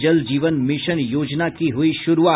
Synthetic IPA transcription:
d͡ʒəld͡ʒiːʋənmɪʃənjoːd͡ʒnakiɦʊiʃʊɾuaː

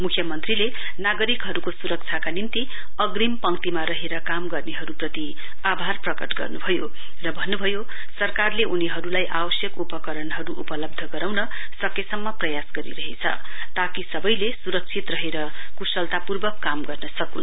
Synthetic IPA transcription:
mukʰjʌmʌnt̪rile | naɡʌɾikɦʌɾukosuɾʌk̚t͡sʰakanint̪i | ʌɡrimpʌŋt̪imaɾʌɦeɾʌkamɡʌrneɦʌɾuprʌt̪i | abʱarprʌkʌʈɡʌ̰rnubʱʌjo | rʌbʱʌnːubʱʌjo | sʌrkarleʔuniɦʌɾulajʔabʌsjʌkupʌkʌɾʌnɦʌɾuʔupʌlʌb̚d̪ʱʌɡʌɾawnʌ | sʌkesʌmːʌprʌjasɡʌɾḭɾʌɦet͡sʰʌ̰ | t̪akisʌbʌjlesuɾʌk̚t͡sʰit̪rʌɦeɾʌkusʌlt̪apurbʌkːamɡʌrnʌsʌkun

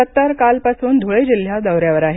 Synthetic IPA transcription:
ət̪ːaɾkalpasuːnd̪ʱoɭed͡ʑil̤jad̪əwɾjaʋəɾaɦe

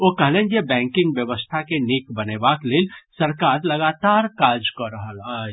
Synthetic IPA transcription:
okəɦlẽnjebɛ̃ŋkɪ̃ŋɡbjəʋəst̪ʰakenikbənebakleːlsəɾkaɾləɡat̪aɾkad͡ʒkəɾəɦəlɦa

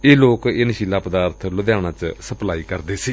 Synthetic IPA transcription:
eːloːkɪnəʃiːlaːpəd̪aːɾt̪ʰləd̪jaːɽ̃ãːt͡ʃsəplaːiːkəɾd̪eːsiː

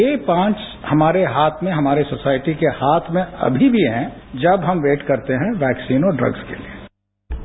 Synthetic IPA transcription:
jeːpãːt͡ʃ | hɐmaːɾeɦaːt̪ʰmẽɦɐmaːɾesosaːɪʈikehaːt̪ʰmẽɐ̰bʱibʱiɦɛ̃d͡ʒɐbɦɐmʋeːʈkɐɾt̪eɦɛ̃ʋɛːksiːnoɖɾɐ̰ɡz̥kḛlie

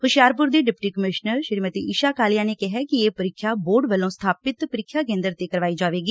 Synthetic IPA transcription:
hʊʃjaːɾpʊɾd̪iːɖɪpʈiːkəmɪʃnəɾʃəɾiːmət̪iːiːʃaːkaːlɪjãːneːkɪɦɛːkɪeːpəɾɪkʰːjaːboːɖʋəlõːst̪ʰaːpɪt̪pəɾɪkʰːjaːkẽːnd̪əɾt̪eːkəɾʋaːiːd͡ʒaːʋeːɡiː

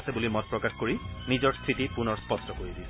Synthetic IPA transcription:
sɛbulimɔt̚pɹɔkaxkoɹinizɔɹst̪ʰɹitipunɔɹspɔstɔkoɹidiɛ

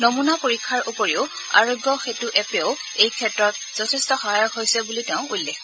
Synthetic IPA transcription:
nomunapoɹikʰːaɹʔupɔɹiʊ | a̰ɹoɡjɔxetuʔɛpeʊ | ejkʰɛtɹɔt̚ | z̥ɔtʰɛstɔxaɦajɔkɦojsɛbuliteʊ̃ulːɛx

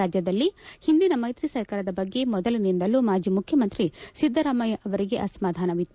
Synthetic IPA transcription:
aːd͡ʒjɐd̪ɐlːihind̪inɐmɐjt̪ɾisɐɾkaːɾɐd̪ɐbɐɡːe̞mɔd̪ɐlinind̪ɐlumaːd͡ʒimukʰjɐmɐnt̪ɾisid̪ʱːɐɾaːmɐjɐʔɐʋɐɾiɡe̞ʔɐsɐmaːd̪ʱaːnɐʋit̪ː

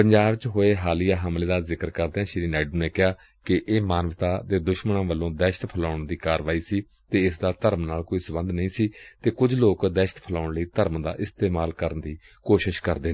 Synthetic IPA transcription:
pəɲd͡ʒaːbt͡ʃɦoːeːɦaːlijaːɦəmleːd̪aːzɪkəɾkəɾd̪eːãːʃɪɾiːnɛːɖuːneːkɪɦaː | kɪʔeːmaːnʋt̪aːd̪eːd̪ʊʃməɳãːʋəlːõːd̪ɛːʃə̥t̪pʰəlaːʊɳd̪iːkaːɾʋaːiːsiː | t̪eːɪsd̪aːt̪əɾəmnaːlkoːiːsəbə̃nd̪nəĩːsiːt̪eːkʊd͡ʒloːkd̪ɛːʃət̪pʰəlaːʊɳləiːt̪əɾəmd̪a̰ːʔɪst̪eːmaːlkəɾənd̪iː | koːʃɪʃkə̰ɾd̪eː

